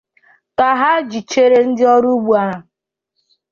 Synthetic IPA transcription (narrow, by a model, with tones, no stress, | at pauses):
ka˨ɦa˦d͡ʒi˨t͡ʃe˦ɾe˦n̩˦dɪ˦ɔ˦ɾu˦ɡ͡bu˨a˦ɦa˨